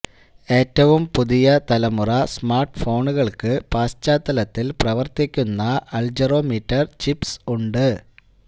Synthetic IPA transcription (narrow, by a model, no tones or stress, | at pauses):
e̞ːtːɐʋumpuðijɐt̪ɐlɐmurɐsmaːrʈɨfo̞ːɳuɣɐɭkɨpaːst͡ɕːaːt̪ːɐlɐt̪ːilprɐʋɐrt̪ikʲːunːɐʔɐɭd͡ʑɐro̞ːmiːtːɐrt͡ɕipsuɳɖɨ